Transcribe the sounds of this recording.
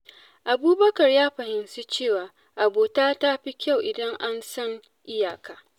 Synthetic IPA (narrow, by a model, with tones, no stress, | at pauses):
ʔa˨buː˦bɐ˦kɐ˨rjaː˦ɸɐ˨hɪ˨nsu˦t͡ʃeː˦˨waː˨ | ʔa˨boː˨taː˦ta˦ɸi˦kʲa˦˨wʔɪ˨dɐ˦ŋʔa˦nsɐ˦ŋ | ʔɪ˦jaː˨kaː˨